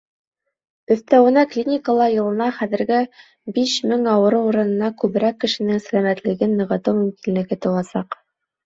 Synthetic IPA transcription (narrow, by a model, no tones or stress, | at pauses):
ɵ̆θt̪æwɘ̆næklʲinʲɪkəlˠɑjɤ̆lˠɤ̆nɑχæðɘ̆ɾɡɘ | biʃmɘŋɑwɤ̆ɾɤuɾɤ̆nɤ̆nɑkʉβɘ̆ɾækːɘ̆ʃɘ̆nɘŋsælæmæt̪lɘ̆ɡɘnːɤ̆ʁɤ̆t̪ɤwmʉmkinlɘ̆ɡɘt̪ŏwɑsɑq